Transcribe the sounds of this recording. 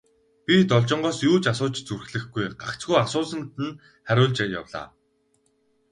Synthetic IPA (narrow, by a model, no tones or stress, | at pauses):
pʲit̪ɔɮt͡ɕɪ̆ɴɢɔːsjuːt͡ɕasʊːt͡ɕt͡surxɮɘ̆xɡujɢa̰kt͡ɕɡujasʊːsə̆nt̪ɘ̆n | χæɾʲʊːɮt͡ɕeːja̰wɮa̰ː